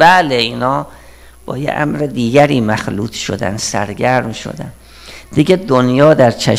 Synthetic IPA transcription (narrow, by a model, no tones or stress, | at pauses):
bæleiːnhɒː | b̥ɒ̰ːjḛʔæ̰mɾed̪iːɡæɾiːmæxlṵːt̪ʰʃo̰d̪æ̰nsæɾɡæɾmʃo̰d̪æ̰n | d̪iɡʲed̪onjɒːd̪æɾt͡ʃʰæ